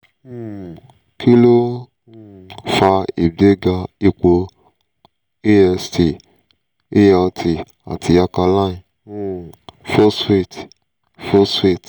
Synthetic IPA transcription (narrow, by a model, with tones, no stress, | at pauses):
kʰi˦lo˦ | fa˧i˨be˦ɡa˧i˧k͡po˧ | e˦ɛ˧sti˨ | e˦ɛ˧tʰi˨ | a̰˨tʰi˧˦a˧ka˧la˦˨ĩ˧˨ | fo˦se˦˨t | fo˦swe˦˨t